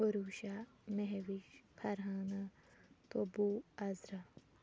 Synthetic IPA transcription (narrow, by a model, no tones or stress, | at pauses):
oɾuʃa | meɦeʋiʃpʰɐɾɦaːnɐ | t̪obuɐzɾɐ